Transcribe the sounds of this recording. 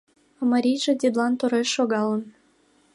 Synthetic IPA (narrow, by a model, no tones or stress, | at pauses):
məɾʲijʒĕd̪ʲed̪lɑnt̪uɾeʃːoɣɑlən